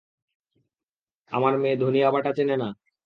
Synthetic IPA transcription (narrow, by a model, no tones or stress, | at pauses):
a̰maɾmẽːd̪ʱonijabaʈat͡ɕʰenena